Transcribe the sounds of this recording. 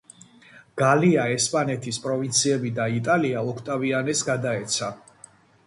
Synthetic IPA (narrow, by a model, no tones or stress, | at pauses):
ɡ̥aliaɛspʼanɛt̪ʰispʼɾɔvint̪sʰiɛbid̪ait̪ʼaliaɔkʰt̪ʼavianɛsɡad̪aɛt̪sʰa